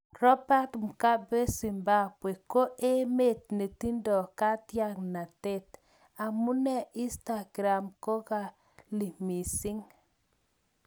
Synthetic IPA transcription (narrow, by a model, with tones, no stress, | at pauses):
rɔ˦ba˦tm˨ka˦be˦si˨mba˦bwe˨ko˦ʔe˦me˦˨t̪̚ne˨ti˦ndɔ˨ka˦tja˦ŋna˨te˦t | a˨mu˦nɛ˦i˦nsta˨ɡɾa˨mko˦ka˨ | li˨mi˨sɪ˦ŋ